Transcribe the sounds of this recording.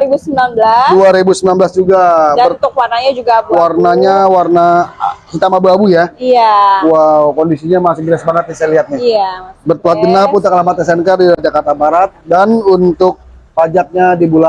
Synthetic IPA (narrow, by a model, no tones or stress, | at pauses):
ɾibusəmlanbladuaɾibusəminanbəlasd͡ʒuɡabərʊk̚warnaɲad͡ʒuɡabwarnaɲawarnasut̪amabuabujaiawawkɔndisiɲamasɪŋɡiɾasəbaŋat̪̚nisajliɦat̪̚nɪabərt̪uat̪̚ɡənapʊnt̪akalamat̪əs̬ɛnkərdiad͡ʒakart̪abaɾat̪̚danunt̪ʊk̚pad͡ʒak̚ɲadibula